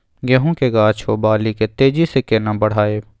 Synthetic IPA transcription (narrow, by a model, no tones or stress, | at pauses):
ɡɛɦõkeɡaːt͡ʃʰobaːliket̪eːd͡ʒisekeːnãbɐɽ̤aːeː